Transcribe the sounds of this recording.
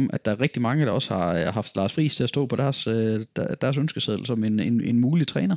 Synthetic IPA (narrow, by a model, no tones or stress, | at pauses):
mʔæd̥ɑ̈æɐʁeɡ̥̚d̥imɑ̈ŋəd̥ɑ̈ɒ̽shɑ̈ɦɑ̈fd̥lɑ̈ːsfʁḭːst͡sʰe̝æsd̥ɔ̰ːpʰɒ̽d̥æɐsød̥æd̥æɐs̬ønsɡ̥əseðˠl̩sɒ̽me̝nenenmuːlit͡sʰʁɛːnɐ